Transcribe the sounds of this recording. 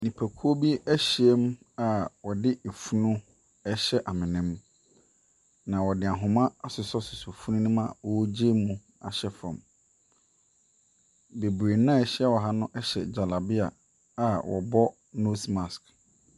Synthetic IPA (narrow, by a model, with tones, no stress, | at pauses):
nĩ˨pʰæ˨kʰu˦o˦bi˦æ˦ɕi˨ɛ˦m | a˨wɔ˨dɪ˦e˨fu˦nũ˦ | ɛ˦ɕɛ˦ʔa˨mɪ̃˨nɪ̃˦m | nã˨wɔ˨dɪ˨a˨ɦʊ̃˨mã˦a˨sʊ˨sɔ˦sʊ˨so˨fu˦nũ˦nɪ̃˦mã˨wɔ˨˦d͡ʑe˦mũ˦ | a̰˨ɕɛ˦fã̰˨m | be˨bɾe˨nã˦ɛ˨ɕi˦a˦wɔ˨ɦa˦nʊ̃˦ʔɛ˦ɕɛ̰˨d͡ʑa˨la˨bɪ˦a˨ | a˨wɔ̰˨bɔ˦ | no˦sma˨sk